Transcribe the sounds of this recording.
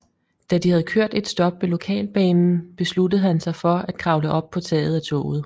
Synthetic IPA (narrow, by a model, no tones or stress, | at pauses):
d̥æd̥ihæð̞ˠkʰøɐ̰d̥e̝d̥sd̥ɒ̽b̥ʋelo̝kʰɛ̰ːlb̥ɛ̰ːnn̩b̥e̝sludəð̞̩ˠhænsɑ̈ɪfɒ̽æd̥̚kʰʁɑ̈ʊləʔɒ̽b̥̚pʰɒ̽t͡sʰɛ̰ːð̞̩ˠæt͡sʰɔ̰ːʊð̞̩ˠ